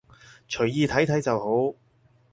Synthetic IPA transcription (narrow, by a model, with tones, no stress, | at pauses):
t͡ʃʰɵ˨˩ɥjiː˨˧t̪ʰɐ˨˥jt̪ʰɐ˨˥jt͡sɐ˨who˨˥w